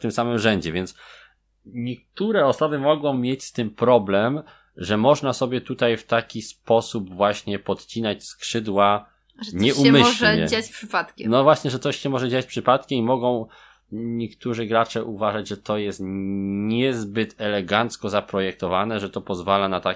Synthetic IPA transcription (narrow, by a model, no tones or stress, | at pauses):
ft̪ɘmsamɘmʐɛɲd͡ʑɛvʲjɛnt̪s | ɲɛk̚t̪uɾɛɔsɔbɘmɔɡɔ̃w̃mʲjet͡ɕst̪ɘmpɾɔblɛm | ʐɛmɔʐnasɔbʲjɛt̪ut̪ajft̪akʲispɔsubvwaɕɲɛpɔt̪t͡ɕinat͡ɕskʂɘd̪wa | ʐɲɛumɘɕɛɲɛ̰at͡ɕfʂɘpat̪kʲɛnɔvwaɕɲɛʐɛt̪ɔɕɛmɔʐɛd͡ʑat͡ɕpʂɘpat̪kʲɛmimɔɡɔ̃w̃ | ɲɛkt̪uʐɘɡɾat͡ʂɛʔuvaʐad͡ʑʐɛt̪ɔjɛst̪ɲɛzbɘt̪ɛlɛɡant̪skɔzapɾɔjɛk̚t̪ɔvanɛʐɛt̪ɔpɔzvalanat̪a